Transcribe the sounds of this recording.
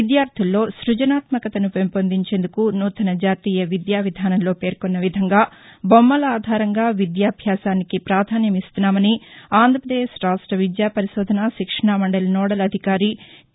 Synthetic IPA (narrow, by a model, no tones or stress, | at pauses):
id̪jaːɾt̪ʰilːo̞ːsɾud͡ʒɐnaːt̪mɐkɐt̪ɐnupempond̪iɲt͡ʃe̞ːnd̪ukunuːt̪ɐnɐd͡ʒaːt̪iːjɐʋid̪jaːʋid̪ʱaːnɐnlo̞ːpe̞ːɾkonːɐʋid̪ʱɐŋɡaː | bomːɐlaːd̪ʱaːɾɐŋɡaːʋid̪jaːbʱjaːsaːnikipɾaːd̪ʱaːnjɐmist̪unːaːmɐniaːnd̪ʱɾɐpɾɐd̪eːʃɾaːsʈɾɐʋid̪jaːpɐɾiʃɔːd̪ʱɐnaʃikʂɐɳaːmɐɳɖɐlnɔːɽɐlɐd̪ʱikaːɾi